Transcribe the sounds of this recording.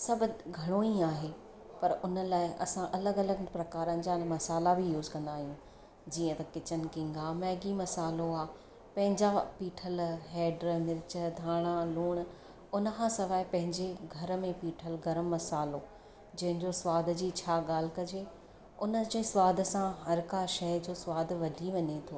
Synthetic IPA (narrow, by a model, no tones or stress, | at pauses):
sɐbʱɡʱɐɽ̃oiaːɦe | pɐɾʊnəlaːɪʔɐsãʔɐləɡɐləɡpɾɐkaːɾənɪ̆d͡ʑamɐsaːlabʱijuːzkɐ̃nd̪aːɦijũ | d͡ʑiːə̃t̪ɐkɪt͡ɕənɪ̆kɪ̃ŋɡamɛːɡimɐsaːloaː | pɐ̃ɦɪ̃ɲd͡ʑapiːʈʰəlɦeːɖɾəmɪɾt͡ɕəd̪ʱaːɽ̃ãluːɽ̃ | ʊnə̆kʰãːsɐʋaːipɐ̃ɦɪ̃ɲd͡ʑeɡʱɐɾmẽpiːʈʰəlɡɐɾəmːɐsaːlo | d͡ʑɐ̃ɦɪ̃ɲd͡ʑoswaːd̪ʱd͡ʑiːt͡ɕʰaːɠaːl̤kɐd͡ʑe | ʊnəd͡ʑẽswaːd̪ʱsãɦɐɾkaʃɐɦd͡ʑoːswaːd̪ʱʋɐɖʱiʋɐɲet̪ʰoː